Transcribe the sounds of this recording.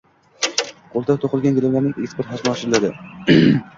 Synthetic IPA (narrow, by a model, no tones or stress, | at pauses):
qʰolˠt̪ʰat̪ʰoqɨlˠɡʲanɡʲelamlaɾnɪŋespɾt̪χasmɑʃɪlad̪ɪ